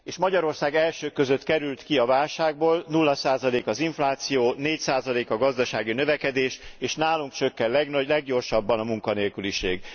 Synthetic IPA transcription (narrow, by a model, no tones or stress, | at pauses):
eːʃmɒɟɒɾo̞rsaːɡɛlʃøːkø̞zø̞t̪kɛɾylt̪kiɒvaːlʃaːɡboːlnulːɒsaːzɒleːkɒziɱflaːt̪sijoːneːcsaːzɒleːkɒɡɒzd̪ɒʃaːɡinøvɛkɛd̪eːʃeːʃnaːluŋkt͡ʃø̞kːɛnlɛɡnɒɟlɛɡɟo̞rʃɒbːɒnɒmuŋkɒneːlkyliʃḛːɡ